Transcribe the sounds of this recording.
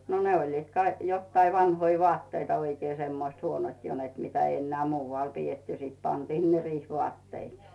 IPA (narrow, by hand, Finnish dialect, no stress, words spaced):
no ne olʲliːt kɑi jotːɑi ʋɑnhoi ʋoɑtːeitɑ oikeː semːoĭst huonot jo net mitæ ei enːeæˑ muːʋːɑˑl pietːy sit pɑntiː ne riːhʋŭɑˑtːeiks